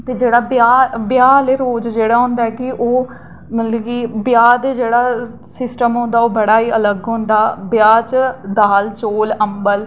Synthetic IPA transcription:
t̪eːd͡ʒeːɽaːbjaːbjaːleːɾoːd͡ʒd͡ʒeːɽaːɦʊ̃ːnd̪aːɛːkɪʔoː | mət̪lɛːɡiːbɪjaːd̪eːd͡ʒeːɽaː | sɪsʈəmɦõːnd̪aːoːbəɽaːiːələɡɦõːnd̪aːbjaːt͡ʃd̪aːlt͡ʃoːləmbəl

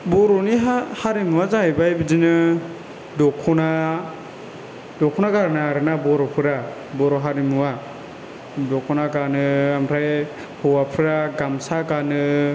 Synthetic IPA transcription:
bɔɾɔniɦahaɾimɯwazajbajbɯd͡ʒɯnɯ | dɔkʰɔna | dɔkʰɔnaɡaɾnaaɾɯnabɔɾɔpʰɯɾa | bɔɾɔɦaɾimɯwa | dɔkʰɔnakanɯamɾʰaj | hɔwapʰɯɾaɡamsakanɯ

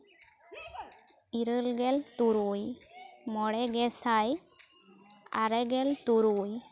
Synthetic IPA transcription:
iɾəlɡɛlt̪uɾujmɔɽɛɡɛsaj | a̰ɾɛɡɛlt̪uɾuj

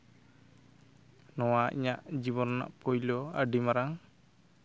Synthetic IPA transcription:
nɔwaḭɲaʔd͡ʒibɔnɔnːa̰ʔpɔjlɔaɖimaɾaŋ

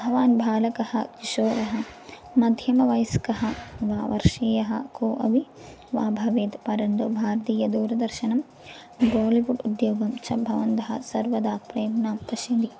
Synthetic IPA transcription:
ɐɦɐʋaːnbʱaːlɐkɐhɐ̰t̪iʃoːɾɐɦɐmɐd̪ʱjɐmɐʋɐjskɐɦɐʋaːʋɐ̰ɾʂeːjɐɦɐ̰koːʔɐʋi | ʋaːbʱɐʋeːd̪pɐɾɐɳɖ̪obʱaːɾɐt̪iːjɐd̪uːɾɐd̪ɐɾʃɐnɐm | boːliʋuɖud̪joːɡɐmt͡ʃɐbʱɐʋɐnd̪ɐɦɐ̰sɐɾʋɐd̪aːpɾeːmnaːmpɐʃɐd̪i

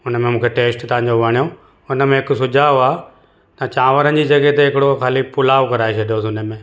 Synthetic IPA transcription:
ʊnəmẽmũːkʰeʈeːsʈt̪ɐʋ̤ãɲ̆d͡ʑoʋʱəɽ̃ijo | ʊnə̆mẽɦɪkʊsʊd͡ʑʱaːoaː | t̪ɐt͡ɕãːʋəɾən̆d͡ʑiːd͡ʑɐɡəɦet̪eɦɪkɪɽokʰaːlipʊlaːʋkɐɾaːet͡ɕʰɐɖʱijosʊnəmẽː

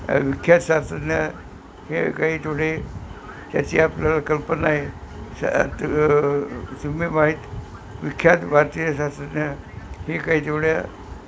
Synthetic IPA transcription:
ʋikʰjat̪sasənja | hekaɦiːt̪ʰoɽe | t̪ja̰t͡ɕiːapljalakəlpənae | sumimaɦiːt̪ | ʋikʰjat̪bʱaɾt̪iɾəsasənja | hekaɦiːt̪ʰoʋɽja

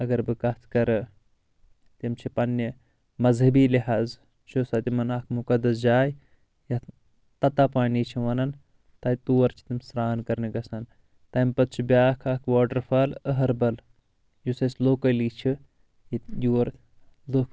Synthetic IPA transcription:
ɐɡɐɾbɨkɐt̪ʰkɐɾɨ | t̪imt͡ʃʰipɐnːi | mɐzɦɐbiːliɦaːz | t͡ʃʰusɐt̪imɐnɐkʰmukɐd̪ɐs̬d͡ʒaːj | jɐ | t̪ɐt̪apaːniːt͡ʃʰiʋɐnɐn | t̪ɐit̪uːɐɾt͡ʃʰi̥t̪imsɾaːnkɐɾniɡɐsɐn | t̪ɐmpɐt̪̚t͡ʃʰibʲaːkʰɐkʰʋaːʈɐɾfɐləɦɐɾbɐl | jusɐsloːkɐliːt͡ʃʰi | ijuɐɾ | lok

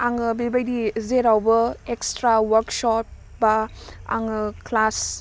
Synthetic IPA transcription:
aŋɯbibajdizeɾawbɐekstɾawɐɾksɔp̚ | baa̰ŋɯklas

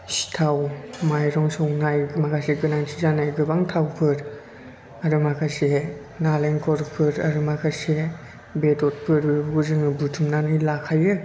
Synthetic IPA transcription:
si̥tʰawmajɾɔŋsɔŋnajmakʰaseɡɯnaŋtʰizanajɡɯbaŋtʰawpʰɯɾ | aɾɯmakʰase | naleŋkʰɔɾpʰɯɾaɾɯmakʰase | betɔt̚pʰɯɾbɯbɡuzɯŋɯbutʰɯmnanɯjlakʰajɯ

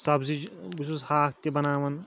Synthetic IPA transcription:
sɐbzid͡ʒbisushaːkʰt̪ibɐnaːʋɐn

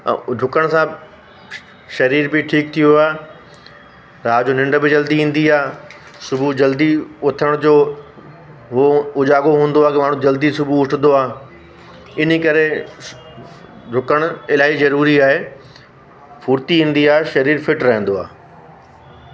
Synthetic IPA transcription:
ɖʱʊkəɽ̃sã | ʃɐɾiːɾbɪʈʰiːk̚t̪ʰijoɦaːɦe | ɾaːd͡ʑoːnɪ̃ɳɖə̆bɪd͡ʑɐld̪iɦĩːn̆d̪iaː | sʊbʱud͡ʑɐld̪iʊt̪ʰəɽ̃d͡ʑoː | ɦoʊd͡ʑaːɡoɦũːn̆d̪oaːɦkimaːɳ̤ũd͡ʑɐld̪isʊbʱuʊʈʰnd̪oaːɦe | ɪnkɐɾe | ɖʱʊkəɽ̃ʊɪlaːizɐɾuːɾiaːɦe | fuːɾt̪iɦĩːn̆d̪iaːɦeʃɐɾiːɾfɪʈɾɐɦɪ̃nd̪oa̰ː

